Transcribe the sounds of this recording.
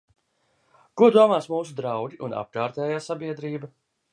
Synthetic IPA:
kuɔd̪uɔmaːsmuːsud̪ɾawɡʲiʔuna̰p̚kaːɾt̪ɛːjaːsabiɛd̪ɾiːba

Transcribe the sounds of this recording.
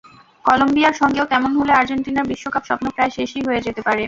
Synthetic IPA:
kɔlombiaɾʃɔŋɡeokɛmonɦoleaɾd͡ʑeɳʈinaɾbiʃːokapʃɔ̰pnokɾaeʃeʃiɦoed͡ʑet̪epaɾe

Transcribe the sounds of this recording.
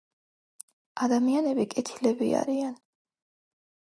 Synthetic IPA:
ad̪amianɛbikʼɛt̪ʰilɛbḭa̰ɾian

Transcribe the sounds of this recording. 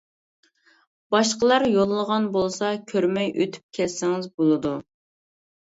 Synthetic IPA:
b̥ɑʃqəlˠɑɾjolˠːəʁɑnbolˠsɑkʲʰøɾmɛjʔø̰t̪ʰy̥p̚kʲʰɛlsɪŋɪzbolˠɨd̪u

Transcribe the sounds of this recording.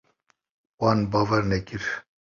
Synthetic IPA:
wɑnbɑːvɛɾnɛkiɾ

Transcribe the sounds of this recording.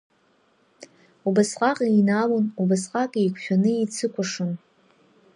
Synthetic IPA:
ubasqʼaqʼijnawunubasqʼakʼikʷʰʃᶣanɨit͡sʰɨkʷʰaʂɨn

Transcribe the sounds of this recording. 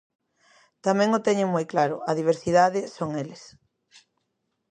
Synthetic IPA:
t̪amɛ̃ŋʊt̪ɛɲeŋmojklaɾʊ̰ʔɐðiβ̞eɾsiðaðɪsoŋeles

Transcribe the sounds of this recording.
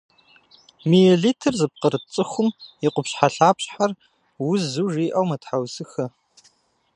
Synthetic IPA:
miɛɮiːtʰɨrzɨp̚qəɾɨt͡sʼɨxʷʊmjiqʷʊpɕħaɬaːpɕʼħar | wʊzuʐiːʔɐwmɐtħawzɨxɐ

